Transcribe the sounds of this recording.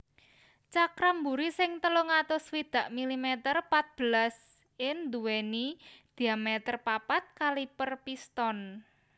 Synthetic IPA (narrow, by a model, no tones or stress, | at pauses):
t͡ʃakɾambuɾisɪŋt̪əloŋat̪ʊswid̪̥ä̤ʔmilimɛt̪ərpat̪̚b̥ə̤las | ɪnd̪uwenid̪̥i̤amɛt̪ərpapat̪̚kalipərpist̪ɔn